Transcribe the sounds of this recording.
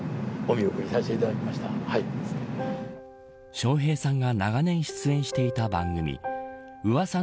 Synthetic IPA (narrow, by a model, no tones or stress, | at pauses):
omʲiokɯɾʲisaɕi̥t̪e̞it̪ad̪akʲimaɕi̥t̪ahai | ɕo̞ːɦe̞ːsãŋɡanaɡanẽ̞ɰ̃ɕi̥t͡sɨẽ̞ɰ̃ɕi̥t̪e̞it̪abãŋɡɯ̟mʲḭ | ɯ̟βasã